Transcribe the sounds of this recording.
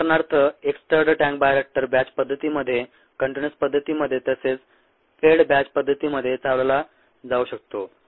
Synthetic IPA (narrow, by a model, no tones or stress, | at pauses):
ɾɳaɾt̪ʰəeksʈəɾɖəʈæ̃ŋk̚bajɾek̚ʈəɾbæt͡ɕpəd̪ʱːət̪iːməd̪ʱːje | kəɳʈenəspəd̪ʱːət̪iːməd̪ʱːjet̪əset͡s | feɽbæt͡ɕpəd̪ʱːət̪iːməd̪ʱːjet͡saʋləla | d͡zauɕək̚t̪o